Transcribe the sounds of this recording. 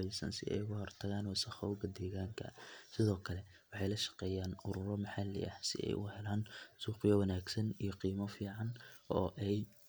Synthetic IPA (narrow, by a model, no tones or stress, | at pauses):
ɛjsɐ̰nsɪʔɛ̰jkʊhɔrt̪ʰɐɣaːnwɐsɐχɔwɡɐd̪ɛːɣaːŋkʰɐ̰sɪðɔːkʰɐlɛ | wɑħɑjlɐʃɐ̥qɛːjaːnʊɾʊɾɔmɐħalɛ̰ɐ̰hsɪ̰ʔɛ̰jʔʊhɛlaːnsuːqɪjɔwɐnaːɡsɐnijɔqiːmɔfiːʕɑnʔɔːʔɛj